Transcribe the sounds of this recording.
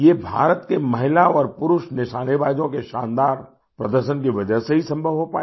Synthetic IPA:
jebʱa̰ːɾət̪kemɐɦɪlaɔːɾpʊɾʊʃnɪʃaːneʋaːd͡ʒõkeʃãːnd̪aːɾ | pɾɐd̪əɾʃənkiʋɐd͡ʒəɦseɦisɐ̃mbʱəʋɦopaː

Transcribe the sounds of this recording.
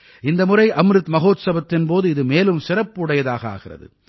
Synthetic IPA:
ɪnd̪ɐmʊrɐɪʔɐmɾɯt̪mɐɣoːt̪sɐbɐt̪ːɪnpoːðɯɪðɯmeːlɯmsɪrɐpːɯɽɐjɐðaːɣɐa̰ːɣɪrɐ̰ðɯ̰

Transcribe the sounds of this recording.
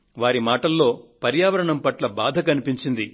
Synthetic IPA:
ʋaːɾimaːʈɐlːo̞ːpɐɾjaːʋɐɾɐɳɐmpɐʈlɐbaːd̪ʱɐkɐnipiɲt͡ʃind̪i

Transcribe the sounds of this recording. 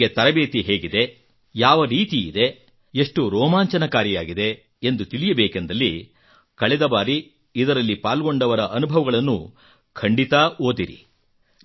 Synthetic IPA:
et̪ɐɾɐbeːt̪iɦe̞ːɡid̪e̞ | jaːʋɐɾiːt̪iid̪e̞ | eʂʈuɾɔːmaːɲt͡ʃɐnɐkaːɾjijaːɡid̪e̞ | end̪ut̪ilijɐbeːke̞nd̪ɐlːi | kɐɭɛd̪ɐbaːɾi | id̪ɐɾɐlːipaːlɡo̞ɳɖɐʋɐɾɐʔɐnubʱɐʋɐɡɐɭɐnːṵ | kʰɐɳɖit̪ɐʔoːd̪iɾḭ

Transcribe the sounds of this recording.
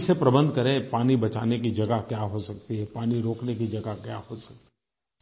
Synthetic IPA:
sepɾɐbə̃nd̪ʱkɐɾẽpaːnibɐt͡ʃaːnek̬id͡ʒɐɡakjaːɦosɐk̚t̪iɦɛpaːniɾoːknekid͡ʒɐɡakja̰ːɦosɐk̚t̪i

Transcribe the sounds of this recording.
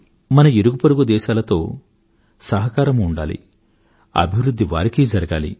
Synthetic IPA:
mɐnɐeɾuɡupɐɾuɡud̪ɛːʃaːlɐt̪o̞ː | sɐɦɐkaːɾɐmuɳɖa̰ːlḭ | ɐ̰bʱiʋɾud̪ʱːiʋa̰ːɾikeːd͡ʒɐɾɐɡaːlḭ

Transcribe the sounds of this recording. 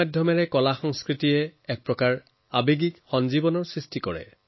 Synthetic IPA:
adʱjɔmɛɹɛkɔlaxɔŋskɹitijɛɛk̚pɹɔkaɹ | abeɡikxɔnzibɔnɔɹsɹistikɔɹɛ̰

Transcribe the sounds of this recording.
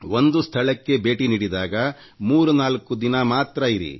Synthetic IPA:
wond̪ust̪ʰɐɭɐkːe̞be̞ːʈiniːɽid̪aːɡɐ | muːɾunaːlkud̪inɐmaːt̪ɾɐiɾḭ

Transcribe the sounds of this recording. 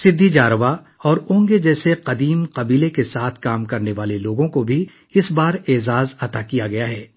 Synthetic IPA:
sɪd̪ʱːid͡ʒaːɾʋa | ɔːɾʊ̃ːŋɡed͡ʒɛːseqɐd̪iːmqɐbiːlekesaːt̪ʰkaːmkɐɾneʋaːleloːɡõkobʱi | ɪsbaːɾeːzaːzɐt̪akijaɡɐjaɦɛː

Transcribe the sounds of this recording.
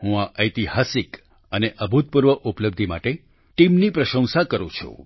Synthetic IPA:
ɦũaʔəjt̪ihasik | əneʔəbʱut̪̚puɾʋəʔupləb̚d̪ʱima̰ʈe | ʈimnipɾəʃə̃ŋ̃sakəɾṵ̃t͡ʃʰṵ̃

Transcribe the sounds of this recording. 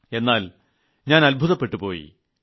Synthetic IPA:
e̞nːaːl | ɲaːnɐlbʱuðɐpːe̞ʈːupo̞ːjḭ

